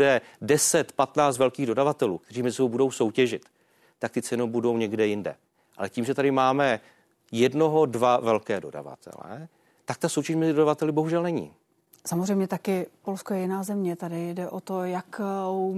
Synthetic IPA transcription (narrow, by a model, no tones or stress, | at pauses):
dɛdɛsɛt̪pat̪naːt͡st̪vɛlkiːɣdo̞davat̪ɛlṵːk̚t̪ɛr̝iːmɛzɪsobowbudo̞wso̞wcɛʒɪt̪ː | ak̚t̪ɪt͡sɛnowbudo̞wɲɛɡdɛjɪndɛ̰ | ʔa̰lɛciːmʒɛt̪adɪmaːmɛ | jɛdno̞ɦo̞dvavɛlkɛːdo̞da̰va̰t̪ʰɛ̰lɛ̰ | t̪ak̚t̪asowcɛʃmɛzɪdodavat̪ɛlɪbo̞ɦuʒɛlnɛɲḭː | samozrɛjmɲɛt̪akɪpo̞lskojɛjɪnaːzɛmɲɛt̪adɪdɛʔot̪ojak